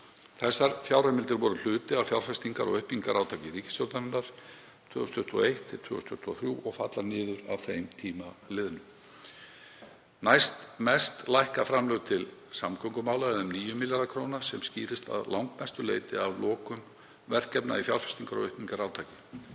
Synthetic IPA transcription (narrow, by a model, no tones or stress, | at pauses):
θɛsːaɾfjawɾamɪlt̪ɪɾvɔɾʏl̥ʏːt̪ɪawfjawɾ̥fɛst̪iŋkaɾɔ̰ɣœhpniŋkaɾaːwt̪ʰaːcɪɾiːcɪ̥sjɔɾt̪aɾʏnːaɾ̥ | t̪ʰvʏːɔst̪ʰʏht̪uɔ̰ejht̪ʰɪl̥t̪ʰvʏːɔst̪ʰʏht̪uɔθɾjuːʔɔɣfat̪laɾnɪːðʏɾa̰wθejmt̪ʰiːmalɪːðʏnʏm | najst̪mɛst̪lajhkafɾamlœɣt̪ʰɪlsamkʰœŋkʏmaːwlaɛðʏmniːjʏmːɪljaɾðakʰɾownasɛmsciːɾɪst̪a̰ðlʔawŋkmɛst̪ʏleːjt̪ɪavlɔːkʏm | vɛr̥cɛpna̰ifjawɾ̥fɛ̥st̪iŋkaɾɔ̰ɣœhpniŋkaɾaːwt̪ʰaːcɪ